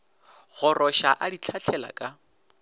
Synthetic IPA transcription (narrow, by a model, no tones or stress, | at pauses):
ɣʊrʔɔʃaʔadit͡ɬʰat͡ɬʰɛla̰kʼa